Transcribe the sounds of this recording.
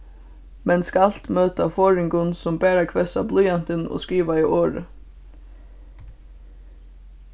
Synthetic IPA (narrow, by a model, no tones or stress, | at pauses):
mɛnskɑl̥t̪møːt̪afoːɹɪŋɡʊnsɔmbæːɾakʰʋɛsa̰blyjɑnt̪ənɔ̰ːskɹiːʋaɪʔoːɾə̰